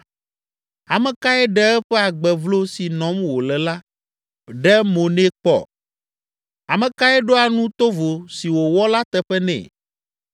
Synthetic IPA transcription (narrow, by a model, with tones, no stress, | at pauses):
a˨mɛ̃˨ka˦ɛ˦ɖɛ˦ɛ˦ɸɛ˦a˨ɡ͡bɛ˨vlo˦si˨nɔ̃˨˦mwo˨lɛ˨la˦ | ɖɛ˦mo˨nɛ̃˦k͡pɔ̰˨ | a˨mɛ̃˨ka˦ɛ˦ɖo˦a˨nũ˦t̪o˦vo˨si˨wo˨wɔ˦la˦t̪ɛ˦ɸɛ˦nɛ̰̃˨